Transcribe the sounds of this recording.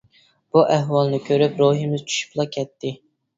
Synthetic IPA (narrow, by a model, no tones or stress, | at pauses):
b̥uʔɛɦwɑlˠnɨkʲʰøɾypɾoɦimɪz̥t͡ʃʰy̥ʃy̥plˠɑkʲʰɛt̪ʰːɪ